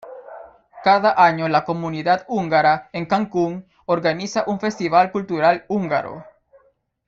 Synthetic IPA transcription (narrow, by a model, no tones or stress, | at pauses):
kaðaʔaɲolakomuniðaðuŋɡaɾaeŋkaŋkuŋ | oɾɣanisaʔuɱfe̞st̪iβalkult̪uɾaluŋɡa̰ɾo̰